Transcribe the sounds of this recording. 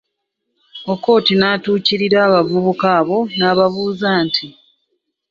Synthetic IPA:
oko̞ːtinaːtuːciɾiɾaːβavuβukaːβo̞naːβaβuːzaːntʰi

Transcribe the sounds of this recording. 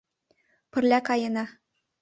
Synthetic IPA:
pɘ̆rlʲækɑjɤ̆nɑ

